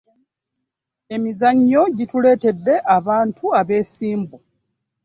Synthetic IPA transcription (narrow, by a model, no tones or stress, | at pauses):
e̞mizaɲːo̞ɟitule̞ːte̞dːe̞ʔaβaːntʰuaβe̞ːsiːmbu